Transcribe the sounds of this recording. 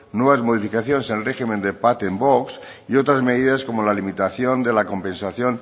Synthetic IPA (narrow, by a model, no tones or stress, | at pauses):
nwe̞β̞azmo̞ð̞ifikaθjo̞nesenlre̞ximend̪epat̪emboks | io̞t̪ɾazme̞ðiðasko̞mo̞lalimit̪aθjo̞nd̪e̞lako̞mpẽ̞nsaθjo̞n